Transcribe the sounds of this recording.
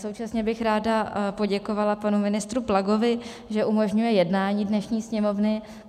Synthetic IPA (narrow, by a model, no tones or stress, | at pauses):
so̞wt͡ʃasɲɛbɪxɾaːdapo̞ɟɛko̞valapanumɪnɪst̪ɾuplaɡo̞vɪ | ʒɛʔumo̞ʒɲujɛjɛdnaːɲiːdnɛʃɲiːsɲɛmo̞vnɪ